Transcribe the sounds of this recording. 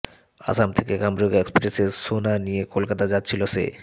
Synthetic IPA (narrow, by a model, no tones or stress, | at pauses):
a̰samt̪ʰekekambɾoɡekspɾeseɾsonaniekolkat̪ad͡ʑatːɕʰilosḛ